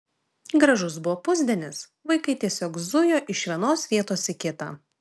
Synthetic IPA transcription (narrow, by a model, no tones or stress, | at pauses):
ɡɾɐʒʊsbʊʋoːpʊzʲd̪ʲɛnʲɪs | ʋɐɪkɐɪt̪ʲiɛsʲoːkzʊjoːʔɪʃʋʲiɛnoːsʋʲiɛt̪oːsʲɪkʲɪt̪ɑ̰ː